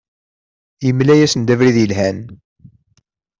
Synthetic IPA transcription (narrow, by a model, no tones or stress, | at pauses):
jəmlæjæsənd̪ævɾiðjəlɦæn